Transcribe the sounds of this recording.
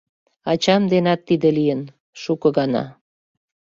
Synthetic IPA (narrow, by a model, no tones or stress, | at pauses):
ɑt͡ɕɑmd̪enɑt̪ːid̪elijən | ʃukɤ̆ɣɑnɑ̰